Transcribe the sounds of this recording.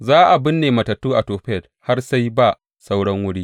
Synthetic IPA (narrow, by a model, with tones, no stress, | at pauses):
zaː˦ʔa˨bɪ˦nːeː˨mɐ˨tɐ˨tːuː˦ʔa˨toː˨ɸɛ˦˨d | ha˦rsa˦jba˦˨ | sa˦wɽɐ˦ŋwʊ˦ɽiː˦